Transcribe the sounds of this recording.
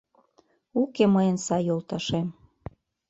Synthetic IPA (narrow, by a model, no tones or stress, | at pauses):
ukeməjənsɑjolˠt̪ɑʃem